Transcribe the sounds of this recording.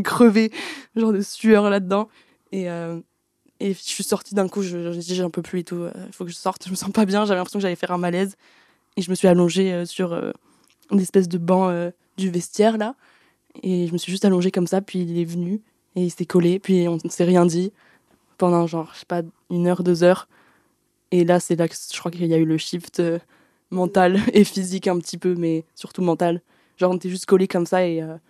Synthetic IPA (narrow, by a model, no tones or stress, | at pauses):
kχəveʒɑ̃ʁd̪əsyœʁlad̪əd̪ɑ̃ | eø | efiʒəsɥisɔʁt̪id̪ɛ̃kuʒəd̪iziʒɛ̃pøplyet̪uø̰ifokəʒəsɔʁt̪ʒəməsɑ̃pabjɛ̃ʒeavɛlɛ̃pesjɔ̃kəʒalɛfɛʁɛ̃malɛz | eʒəməsɥialɔ̃ʒeøsyʁø̰ | d̪ezɛspɛs̬d̪əbɑ̃ø | d̪yvɛst̪jɛʁla | eʒəməsɥiʒyst̪alɔ̃ʒekɔmsapɥilɛvəny | eilsɛkɔlepɥiɔ̃nəsɛʁjɛ̃d̪i | pɑ̃d̪ɑ̃ʒɑ̃ʁʃe̥pa | ynœʁd̪øzœʁ | elasɛlakə̥ʒə̥kχwakiljayləʃift̪ø | mɑ̃t̪alefizikɛ̃pət̪ʰipømɛsyʁt̪umɑ̃t̪al | ʒɑ̃ʁɔ̃net̪ɛʒyst̪̚kɔlekɔmsaeø